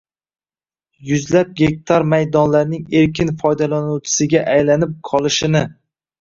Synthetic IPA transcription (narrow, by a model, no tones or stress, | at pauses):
jʊzlap̚ɡʲe̞k̚ʲt̪ʰaɾmajd̪ɒnlaɾnɪŋe̞ɾkʲɪnfɒjd̪alanuwt͡ʃʰɪ̥sɪɡʲaʔajlanɪp̚qʰɒlˠɪʃɪnɪ